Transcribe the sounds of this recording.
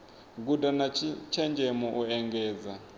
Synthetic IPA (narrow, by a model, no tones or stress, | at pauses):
k̬udanat͡ʃʰɛnd͡ʒʱɛmɔʔuɛŋɡɛːd͡za